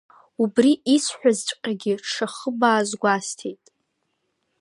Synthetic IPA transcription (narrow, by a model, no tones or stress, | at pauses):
ubriisħʷᶣazt͡ʃʷʼqʲʼaɡʲɪʈ͡ʂʰaχəbaːzɡʷastʰejtʼ